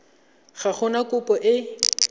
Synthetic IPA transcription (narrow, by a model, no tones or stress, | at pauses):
χaχʰʊnakʊpʼɔʔɪ